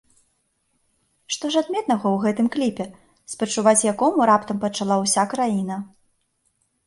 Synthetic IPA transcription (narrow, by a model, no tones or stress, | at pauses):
ʂt̪ɔʂad̪mʲɛt̪nɐɣɐwɣɛt̪ɨmklʲipʲɛ | spɐt͡ʂuvat͡sʲjakɔmuɾapt̪ɐmpɐt͡ʂalˠawsʲakɾajinɐ